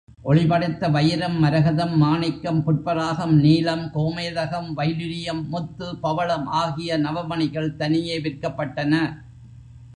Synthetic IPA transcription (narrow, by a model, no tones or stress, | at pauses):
ʔɔɭɪbɐɽɐɪt̪ːɐʋɐjɐɾɐmːɐɾɐɣɐðɐmːaːnɪkːɐmpʊʈ̚pɐɾaːɣɐmniːlɐmkoːmeːðɐɣɐmʋɐjlɯɾɪjɐmːʊt̪ːɯpɐʋɐɭɐmaːɣɪjɐnɐʋɐmɐɳɪɣɐɭt̪ɐnɪjeːʋɪrkɐpːɐʈːɐnɐ